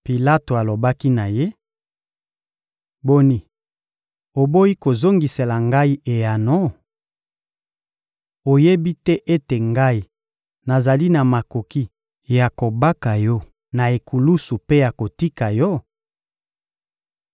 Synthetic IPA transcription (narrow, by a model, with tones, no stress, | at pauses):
pi˨la˦to˨a˨lo˨ba˦ki˦na˨je˦ | bo˦ni˨ | o˨bo˦ji˦ko˨zo˦ŋɡi˨se˨la˨ŋɡa˦i˦ʔe˨ja˨no˦ | o˨je˦bi˦tɛ˦ʔe˦te˨ŋɡa˦i˦ | na˨za˨li˦na˨ma˨ko˨ki˦ | ja˨ko˨ba˦ka˨jɔ˦ | na˨e˨ku˨lu˦su˨pe˦ja˨ko˨ti˦ka˨jɔ˦